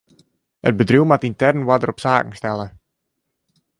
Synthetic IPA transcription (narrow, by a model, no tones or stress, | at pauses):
ə̰t̚bədruwmatintɛrnwadəɾɔpsaːkŋ̩stɛlə